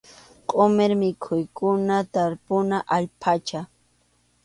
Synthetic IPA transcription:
qʼomeɾmɪkʰʊjkʊnat̪aɾpʊnaʔaʎpʰat͡ʃa

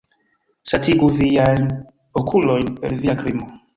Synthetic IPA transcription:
satiɡuviajn | okʰulo̞jnpeɾviakɾimo

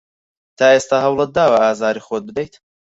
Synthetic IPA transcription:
t̪ʰaːeːst̪aːɦɐwlˠət̪̚d̪aːwɐaːzaːɾixot̪̚bɨd̪ɛjt̪

